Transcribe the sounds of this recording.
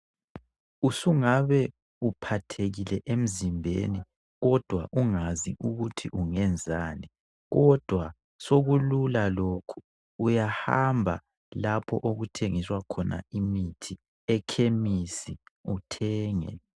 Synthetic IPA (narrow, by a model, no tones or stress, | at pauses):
usuŋaβɛ | upʰatʰeɣilɛʔem̩zimbʱḛni | ɣɔd̥ʱwa̰ʔuŋaziʔuɣutʰiʔuŋɛnd͡zʱaːni | ɣɔd̥ʱwa | soɣululalokʰu̥ː | jahambʱa̰ | lapʰɔ̰ʔoɣutʰeŋiswakʰɔna̰imitʰi | ɛkʰemisiutʰɛːŋɛ̰